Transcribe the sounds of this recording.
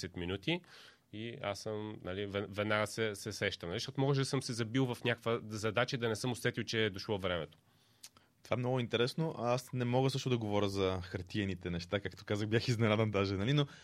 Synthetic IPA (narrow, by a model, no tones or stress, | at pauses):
sɛt̪minut̪i | ia̰səmnɐlivɛvɛd̪naɡəsɛsɛsɛʃt̪əmnɐliʃt̪ɔt̪mɔɡəʒ̬d̪ɐsɤmsɛzɐbilˠvɐfnʲakəkvəzɐd̪at͡ʃəd̪ɐnɛsɤmʊsɛt̪ilˠt͡ʃɛːd̪oʃlˠɔvɾɛmɛt̪o̥ | t̪ovaɛmnɔɡʊint̪ɛɾɛsnoʔasnɛmɔɡəsɤʃt̪ʊd̪ɐɡovɔɾʲəzɐxɐɾt̪iɛnit̪ɛnɛʃt̪akakt̪o̥kazəxbjaxiznɛɾad̪ɛnd̪aʒɛnɐlino